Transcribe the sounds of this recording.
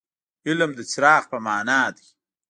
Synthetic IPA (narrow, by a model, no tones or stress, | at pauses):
ɪlmd̪ət͡sɾɑːxpəmɑːnɑːd̪i